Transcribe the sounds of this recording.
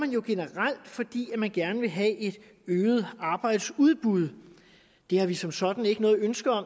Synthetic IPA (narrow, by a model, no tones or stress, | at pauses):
mænjo̝ɡ̥e̝nəʁal̰d̥fɒ̽d̥ḭːæmænɡ̥æɐnəʋe̝ɦɛʔe̝d̥ | øːð̩ˠɑ̈ːb̥ɑ̈ɪ̰d̥suð̞ˠb̥uð̞ˠ | d̥e̝hɑ̈ʋisɒ̽msɒ̽d̥n̩e̝ɡ̥ənɔ̽ːð̩ˠønsɡ̥ɐɒ̽m